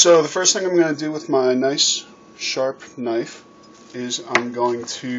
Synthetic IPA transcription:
soʊðəfɜ˞sθɪ̃ŋãɪ̃mɡʌnədɨwɪðmaɪnaɪs | ʃɑɹpnaɪf | ɪzãɪ̃mɡoʊɪ̃ŋtʰɨ

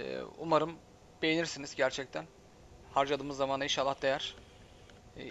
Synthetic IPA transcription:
umaɾɯm | be̞jeniɾsinizɟæɾt͡ʃʰɛc̚t̪ʰæn | haɾd͡ʒad̪ɯːmɯzːamaninʃalˠːahd̪e̞jæɾ̥

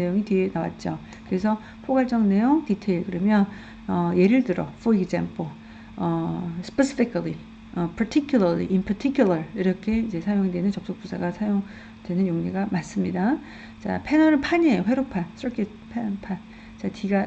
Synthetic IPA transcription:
ne̞joŋitɥie̞nawa̰t̚t͡ɕ͈o | kɯɾes̬ʰʌ | pʰoɡaɭt͡ɕ͈ʌŋne̞joŋtitʰeiɭkɯɾʌmjʌn | ʌje̞ɾɯɭtɯɾʌfʰoiɡd͡ʑamp͈ʰo | ʌsʰɯ̥pʰesʰi̥pʰikʰli | ʌpʰatʰikʰjulʌlḭʔinpʰʌtʰikʰjulʌɭiɾʌkʰe̞id͡ʑe̞sʰajoŋedwenɯnt͡ɕʌk̚s͈ok̚p͈usʰaɡasʰajoŋ | dwe̞nɯnjoŋɲeɡamas͈ɯmɲida | t͡ɕa̰pʰe̞nʌɾɯpʰaɲeɸwe̞ɾopʰans͈ʰʌɭkʰit̚ | pʰepʰan | t͡ɕatiɡa

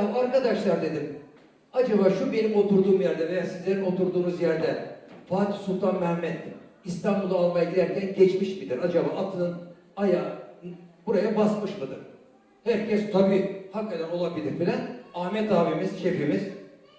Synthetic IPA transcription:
amaɾkad̪aʃlˠaɾd̪e̞d̪im | ad͡ʒaβaːʃube̞nimo̞t̪ʰuɾd̪uːmjæɾd̪ɛvejasizlʲe̞ɾino̞t̪uɾd̪uːnuzjæɾd̪ɛfaːt̪ʰi̥sulˠt̪ʰanmɛmːɛt̪ːist̪ʰambulˠd̪aːlˠmajaɟid̪ʲæɾcænɟɛt͡ʃmiʃmid̪iɾad͡ʒabaːʔat̪ʰɯnɯn | aja | buɾajabasmɯʃmɯd̪ɯɾ̥ | hæɾcʰɛst̪ʰabiːhakːat̪ʰæno̞lˠabilʲiɾfilʲænaːmɛt̪aːbimiz̥ʃefimiz̥

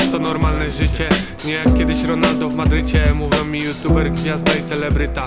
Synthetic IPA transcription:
st̪ɔnɔɾmalnɛʐɘt͡ɕɛ | ɲɛakːʲjɛd̪ɘɕɾɔnald̪ɔvmad̪ɾɘt͡ɕɛmuvʲjɛmʲːijut̪jubɛɾɡvʲjazd̪ait̪sɛlɛbɾɘt̪a

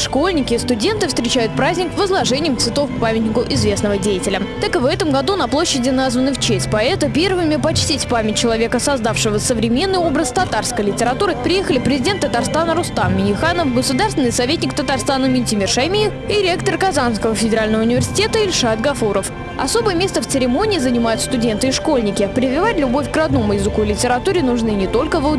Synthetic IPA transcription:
ʂkolʲnʲɪkʲɪst̪ʊdʲe̞nt̪ɨfst̪ɾʲɪt͡ɕæjʊt̪̚pɾazʲnʲɪkvəzlˠɐʐɛnʲɪjəmt̪svʲɪt̪o̞fkpamʲɪt̪ʲnʲɪkʊʔɪzvʲe̞snəvədʲejɪtʲɪlʲət̪akɨvɛt̪əmɡɐd̪unɐplˠoɕːɪdʲɪnazvənɨft͡ɕesʲtʲpɐɛt̪əpʲe̞rvɨmʲɪpɐt͡ɕtʲistʲpamʲɪt̚ʲt͡ɕːɪlˠɐvʲe̞kəsɐzd̪afʂɨvəsəvɾʲɪmʲe̞nːɨjo̞bɾəst̪ɐt̪arskəjlʲɪtʲɪɾɐt̪uɾɨpʲɾʲɪjexəlʲɪpɾʲɪzʲɪdʲe̞nt̪ːət̪arst̪anəɾʊst̪ammʲɪjʲɪxanəfɡəsʊd̪arst̪ʲɪnɪjsɐvʲet̪ʲnʲɪkt̪ət̪arst̪anəmʲɪnʲtʲɪmʲɪrʂɐjmʲijɪfiɾʲekt̪ərkɐzanskəvəfʲɪdʲɪɾalʲnəvəʊnʲɪvʲɪrsʲɪ̥tʲe̞t̪əɪlʲʂat̪ɡɐfuɾəf | ɐ̰so̞bəjəmʲe̞st̪əft̪sɨɾʲɪmo̞nʲɪːzənʲɪmajʊt̪st̪ʊdʲe̞nt̪ɨɪʂko̞lʲnʲɪkʲɪpɾʲɪvʲɪvatʲlʲʊbo̞fʲkrɐd̪no̞mʊjɪzɨkuɪlʲɪtʲɪɾɐt̪uɾʲɪnʊʐnɨnʲɪt̪o̞lʲkəvə

